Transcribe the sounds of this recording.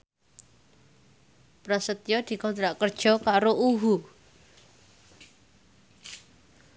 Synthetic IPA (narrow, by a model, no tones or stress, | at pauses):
pɾasət̪jɔd̪̥i̤kɔnt̪ɾaʔkərd̥ʒ̥ɔ̤kaɾoʔuɦu